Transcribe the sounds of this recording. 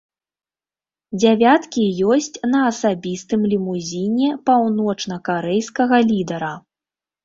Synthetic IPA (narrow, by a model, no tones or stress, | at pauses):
d͡zʲavʲat̪kʲijɔsʲt͡sʲnɐːsabʲist̪ɨmlʲimuzʲinʲɛpawnɔt͡ʂn̪ɐkaɾɛjskɐɣɐlʲid̪ɐɾɐ